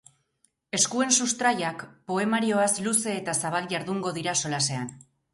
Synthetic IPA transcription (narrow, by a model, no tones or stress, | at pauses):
e̞skue̞nsust̪ɾajakpo̞e̞maɾio̞asluse̞ːt̪asaβalʝaɾðuŋɡo̞ðiɾaso̞lase̞an